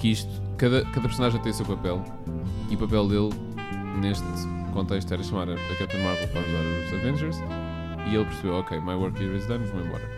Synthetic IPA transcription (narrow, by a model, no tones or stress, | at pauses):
kiʃt̪u̥ | kɐðɐkɐðɐpɾsunaʒẽt̪ɐ̃j̃usewpɐpɛlˠ | iupɐpɛlˠd̪elˠ | neʃt̪ | kõnt̪eʃt̪ɛɾɐʃɐmaɾɐɐk̪ɛt̪ɐ̃maɾvlˠpɾaðizãsɐɾvẽnʒɛɾz | ielˠpɨɾsβewɔkejmajwɔɾkiezd̪ɐ̃nvɐ̃w̃ẽmbɔ̰ɾɐ